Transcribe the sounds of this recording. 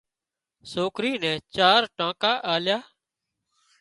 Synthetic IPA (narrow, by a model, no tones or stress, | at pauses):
soːkɾiːnɛ̃ːt͡ʃaːɾʈãːkaːʔaːljaː